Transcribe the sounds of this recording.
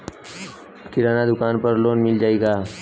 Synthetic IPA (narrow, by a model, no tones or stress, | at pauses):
kɪɾaːnad̪ʊkaːnpəɾloːnmɪld͡ʒaːeɡaː